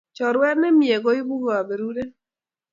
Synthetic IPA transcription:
t͡ʃɔ˨ɾwɛ˦ɾnɛ˦mje˨ɡɔ˨˦ɪ˦bu˦ɡo˨a˨be˨ɾu˦de˦

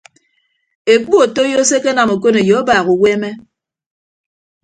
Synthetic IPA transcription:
e˨k͡pu˦o˨to˦jo˦se˦ke˦na˨mo˨ko˦ne˨jo˨˦baː˨ɣu˨we˦me˦

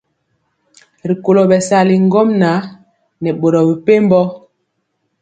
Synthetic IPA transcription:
ɾi˨ko˨lo˨bɛ˨sa˨li˨ŋ˦ɡɔ˦mna˨˦ | nɛ˨ɓo˨ɾɔ˨bi˨pe˦m˦bɔ˦

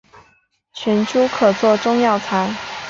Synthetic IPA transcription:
t͡ɕʰɥɛ˧˥nt͡ɕʰju˥kʰɤ˨˩t͡swɔ˥˧ʈ͡ʂʊ˥˧ŋjɑ˥˩ʊt͡sʰa˧˥ɪ

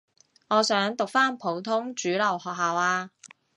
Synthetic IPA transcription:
ŋɔː˨˧sœː˨˥ŋt̪ʊ˨k̚faː˥npʰo˨˧˥wt̪ʰʊ˥ŋt͡ʃyː˨˥lɐ˨˩whɔː˨k̚ɦaː˨waː˧

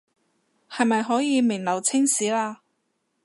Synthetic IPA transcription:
hɐ˨jmɐ˨jɦɔː˨˥jiː˨˧mɪ˨˩ŋlɐ˨˩wt͡sʰɪ˥ŋsiː˨˥laː˧

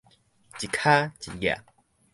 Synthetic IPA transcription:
t͡ɕi˨kʰa˦t͡ɕi˨ɡja̰˨

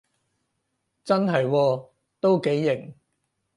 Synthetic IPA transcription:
t͡sɐ˥nɦɐ˨jwɔː˧ | t̪o˥wke˨˥jːɪ˨˩ŋ

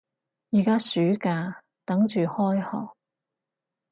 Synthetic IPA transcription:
jiː˨˩kaː˥syː˨˥kaː˧ | t̪ɐ˨˥ŋt͡ʃyː˨hɔː˥jhɔ̰ː˨˩k̚

